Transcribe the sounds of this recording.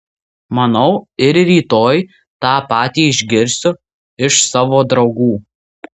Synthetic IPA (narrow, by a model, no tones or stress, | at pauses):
mɐnɒʊɪɾɾʲiːt̪oːj | t̪ɑːpɑːt̪ʲiːɪʒʲɡʲɪɾʲsʲʊ | ɪʃsɑːʋoːd̪ɾɒʊɡuː